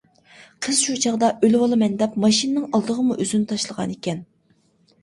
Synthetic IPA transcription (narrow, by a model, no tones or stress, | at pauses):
qʰəz̥ʃut͡ʃʰɑʁd̪ɑʔølwɑlˠɨmɛnd̪ɛpmɑʃinɨnɨŋɑlˠd̪əʁəmuʔøzynɪt̪ʰɑʃlˠəʁɑ̰nekʲɛn